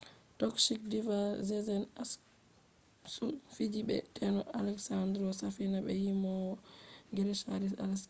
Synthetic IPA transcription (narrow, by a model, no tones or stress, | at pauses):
tɔkʃik̚divazɛzɛnas | sufid͡ʒibɛ̰tʰɛnɔʔalɛksandɾɔsafinabɛjimɔ | ŋɡɛɾɛsaɾisa̰lɛs